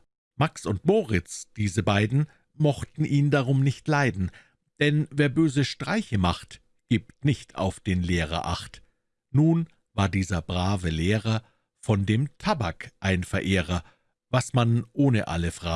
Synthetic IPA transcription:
maksʊntmoːʁɪt͡sd̥iːzəbaɪdn̩ | mɔχtn̩ʔiːndaʁʊmnɪçtlaɪdn̩ | d̥ɛnveːɐbøːzəʃtʁ̥aɪçəmaχt | ɡ̥iːp̚tnɪçtʰa̰ʊfd̥eːnleːʁɐ̰ʔa̰χt | nuːn | vaːɐdiːzɐbʁaːvəleːʁɐ | fɔndeːmtʰabakʔaɪnfɛɐʔeːʁɐ | vasmanʔoːnəʔa̰ləfʁ̥aː

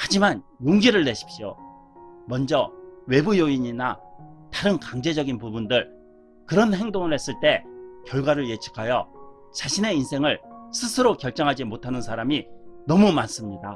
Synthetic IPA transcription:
had͡ʑimanjoŋɡiɾɯɭːe̞ɕʰi̥p̚ɕ͈io̰ | mʌnd͡ʑʌwe̞bujoiɲinataɾɯnkaŋd͡ʑe̞d͡ʑʌɡinpubundɯɭ | kɯɾʌnhe̞ŋdoŋɯɭhe̞s͈ɯɭt͈e̞kjʌɭɡwaɾɯɭje̞t͡ɕʰi̥kʰajʌ | t͡ɕaɕʰine̞insʰe̞ŋɯɭsʰɯsʰɯɾokjʌɭt͡ɕ͈ʌŋɦad͡ʑimotʰanɯnsʰaɾaminʌmumans͈ɯmɲida

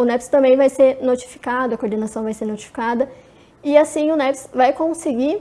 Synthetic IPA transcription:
ʊnɛpst̪ɐ̃mbẽj̃vajseɾnot͡ʃi̥fi̥kad̪ʊɐkoɾd̪enasɐ̃w̃vajseɾnot͡ʃi̥fi̥kad̪ɐ | ɪasĩj̃ʊnɛpsvajkõseɡi

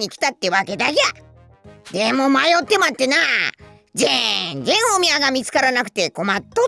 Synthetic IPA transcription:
ɲ̟ikʲi̥t̪at̪ːe̞βake̞d̪aɡeja | d̪̥e̞mo̞majot̪ːe̞mat̪ːe̞na | zend͡zẽ̞ɰ̃o̞mʲiaɡamʲit͡sɨ̥kaɾanakɯ̟̥t̪e̞ko̞mat̪ːo

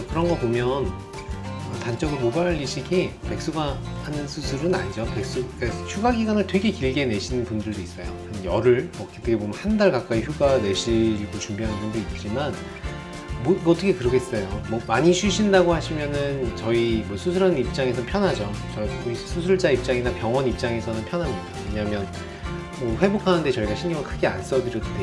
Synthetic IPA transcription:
kɯɾʌnɡʌpomjʌn | ʌtant͡ɕ͈ʌɡɯɾomobaʎːiɕʰiɡipe̞k̚s͈uɡahanɯnsʰusʰɯɾɯna̰ɲid͡ʑopek̚s͈uk͈açjuɡaɡiɡwanɯɭtwe̞ɡe̞kiɭɡe̞ne̞ɕʰinɯnpundɯɭdois͈ʌjo̰ | njʌɾɯɭʌket͈ʰɯɡebomjʌnhandaɭkak͈aiçjuɡane̞ɕʰiɡot͡ɕumbiɦanɯnpundoit̚t͡ɕ͈iman | moiɡʌt͈ʰʌkʰekɯɾʌkʰets͈ʌjomʌmaɲit͡ɕʰɥiɕʰindaɡohaɕʰimjʌnɯnt͡ɕʌimʌsʰusʰuɾʌnip̚t͡ɕ͈aŋe̞sʰʌnpʰjʌnɦad͡ʑot͡ɕʌuisʰusʰuɭd͡ʑaip̚t͡ɕ͈aŋinapjʌŋwʌnip̚t͡ɕ͈aŋe̞sʰʌnɯnpʰjʌnɦamjʌdawe̞ɲamjʌn | mʌɸwe̞bokʰanɯnde̞t͡ɕʌiɡaɕʰinɡʌŋɯɭkʰɯɡea̰ns͈ʌdɯɾjʌtde

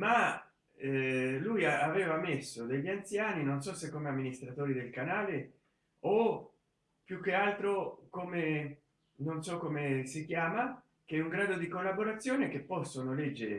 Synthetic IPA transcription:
ma | ɛlujaavɛːvamesːod̪eʎːiant̪sjaːninonsɔsekːoːmeamːinist̪ɾat̪oːɾid̪elkanaːle | o | pjukːealt̪ɾokome | nonsɔkːomesik̟jaːma | kɛuŋɡɾaːd̪od̪ikolːaboɾat̪sːjoːnek̟epːɔsːonolɛd͡ʒːeɾḛ

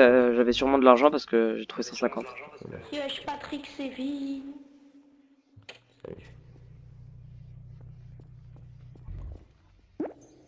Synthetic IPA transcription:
ʒavɛsyʁmɑ̃d̪əlaʁʒɑ̃paʁsə̥kəʒet̪χuvesɑ̃sɛ̃kɑ̃t̪ | ɛʃpat̪χiksevi

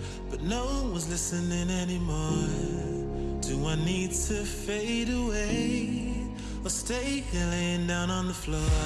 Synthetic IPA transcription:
b̥ʌtⁿnoʊwʌ̃nwʌzlɪsɨ̃nɪ̃nɛnimɔɹ | d̥ɨwʌ̃nːid̚tʰɨfeɪɾəweɪ | əsteɪɡɨlɪ̃ndãʊ̃nə̃nðəflɔ

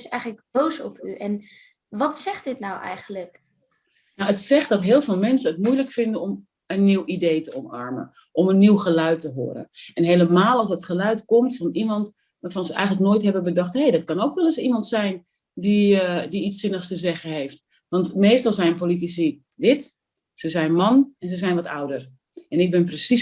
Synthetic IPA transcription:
sɛjχələk̚bowsɔ̰pyʔɛn | ʋɑtsɛχtdɪtnawʔɛ̰jχənlək | nawətsɛχdɑtɦɪːlˠvɪːlˠmɛnsəətmujləkfɪndəɔm | ənːiwʔidejtəɔmɑ̰ɹmə̰ | ʔɔmənːiwχəlœɥtəɦʊ̰ːɾə̰ʔɛnɦeːləmaːlˠɑlsdɑtχəlœɥtkɔmtfɑnimɑnt | ʋaːɹfɑnzəʔɛ̰jɣən̩lək̚noːjtɦɛbəbədɔxthejdɔtkɑnoːkʋɛlˠəsimɑntsɛjn | didiit͡sːɪnəxstəzɛɣənɦeːft | ʋɑntmeːstɑlˠsɛjənpolit̬isi | dɪt | səzɛjnmɑnɛnzəzɛjnʋɔta̰wdər | ɛnɪk̚bɪnprəsi

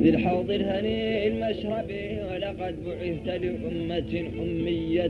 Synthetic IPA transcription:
d̪ɪlħɑːd̪ˤɨɾhaniɪlmaʃɾˤɑbiwɪlɑqɑd̪̚bʊʕɪθt̪alɪʔʊmːaʔʊmːɪjːa

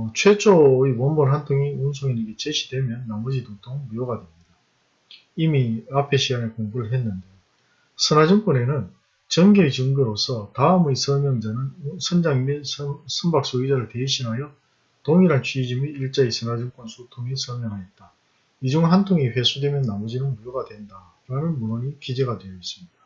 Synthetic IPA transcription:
t͡ɕʰwe̞t͡ɕʰoiwombʌnɦantʰoŋiuns̬ʰoŋineɡet͡ɕeɕʰi̥dwe̞mjʌnːamʌd͡ʑitotʰoŋbujoɡadwe̞mɲida | imiapʰe̞ɕʰiɡanekoŋbuɾɯɭɦenːɯnde̞j | sʰɯnad͡ʑimk͈one̞nɯn | t͡ɕʌŋɡiit͡ɕɯŋɡɯɾosʰʌtaɯmɯisʰʌmjʌŋd͡ʑanɯnsʰʌnd͡ʑaŋ | sʰʌmbak̚s͈oid͡ʑaɾɯɭte̞iɕʰinɦajʌ | toŋiɾant͡ɕʰɥiːd͡ʑimiːɭt͡ɕ͈aisʰɯnad͡ʑimk͈ʌnsʰotʰoŋisʰʌmjʌŋɦajʌt̚t͈a | id͡ʑuŋɦantʰoŋiɸe̞sʰudwe̞mjʌnːamʌd͡ʑinɯnmujoɡadwe̞nda | ɾanɯnmunʌɲikid͡ʑe̞ɡadwe̞jʌis͈ɯ̥mɲid̥ḁ

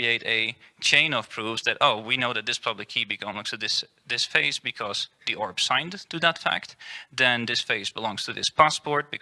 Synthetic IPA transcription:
ieɪɾɨt͡ʃʰẽɪ̃nʌv̥pʰɹ̥uvzðɨɾoʊwinoʊðɨt̪̚ðɪspʰɹ̥ɑbblikʰibɨkʰʌ̃mlʌsɨðɪs | ðɪsfeɪsbɨkʰʌzðiʔɔɹb̥sãɪ̃ntʰɨðətfæ̰k̚t̪ðɨ̃nðɪsfeɪsb̥əlɔ̃ŋz̥tʰɨðɪ̰spʰæspɔɹt̚b̥ɨk

